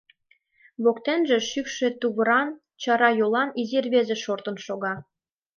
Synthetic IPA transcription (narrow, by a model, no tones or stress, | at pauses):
βokt̪enʒĕʃykʃe̽t̪uβəɾɑn | t͡ɕɑɾɑjolɑnizirβezĕʃort̪ə̆nʃoɣɑ